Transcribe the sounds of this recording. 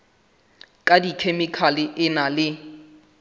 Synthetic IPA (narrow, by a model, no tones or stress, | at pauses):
kʼadikʰemɪkʰalɪʔɪnalɪ